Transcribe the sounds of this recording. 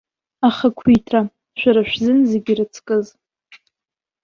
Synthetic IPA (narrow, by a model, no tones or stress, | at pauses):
aχakʷʰitʰra | ʃʷᶣaɾaʃᶣzɨnzeɡʲirɨt͡sʰkʼɨz